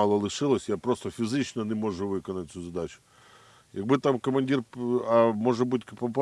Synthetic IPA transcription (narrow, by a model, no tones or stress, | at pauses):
ɑlˠɔlˠɪʃɪlˠɔsʲjapɾɔst̪ɔfʲizɪt͡ʃnɔnɛmɔʒʊʋɪkɔnɐt̪̚ʲt͡sʲuzɐd̪ɑt͡ʃʊ̥ | jɐɡ̚bɪt̪amkɔmɐnʲdʲirɐmɔʒɐbudʲkɪpɔpɑ